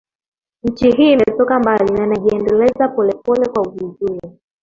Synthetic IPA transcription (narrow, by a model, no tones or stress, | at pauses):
ɲ̩t͡ʃiɦiːmtɔkambalinanaʄiɛndɛlɛzapɔlɛpɔlɛkwauvuzuli